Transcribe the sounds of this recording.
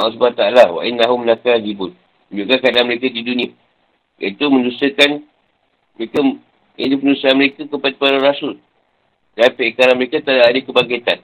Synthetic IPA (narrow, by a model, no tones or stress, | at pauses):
ls̬ubaat̪aalawa̰ʔinːaɦumənakaðibʊn | muɲd͡ʒuʔkakadanməɾekadidunĩa | jə̰it̪umə̃ndusəkan | məɾeka | jə̰t̪upənusəanməɾekakəpadəpaɾaɾasʊl | danpeʔkaɾanməɾekat̪adaadəkəbaŋket̪an